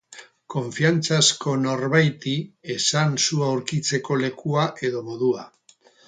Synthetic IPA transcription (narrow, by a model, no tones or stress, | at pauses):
ko̞ɱfiant͡sasko̞no̞ɾβajt̪ie̞sansuawɾkit͡se̞ko̞le̞kuaʔe̞ðo̞mo̞ðua